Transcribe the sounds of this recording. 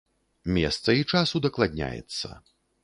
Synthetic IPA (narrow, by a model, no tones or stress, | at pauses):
mʲɛst̪sɐit͡ʂasud̪ɐklˠad̪ʲnʲa̰jɛ̰t̪sːɐ̰